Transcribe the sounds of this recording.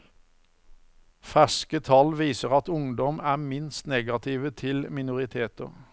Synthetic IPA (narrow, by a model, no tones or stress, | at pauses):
fæskət̪ʰɑlʋiːsəʁɑt̪ʊŋd̪ɔmæːmɪnst̪neːɡɑt̪ʰɪːʋət̪ʰɪlmɪnʊʁɪt̪ʰeːt̪ɔ̰